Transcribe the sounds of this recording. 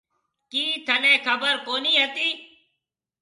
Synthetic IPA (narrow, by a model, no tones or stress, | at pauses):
kiːt̪ʰəlẽːkʰəbəɾkoːniːɦət̪iː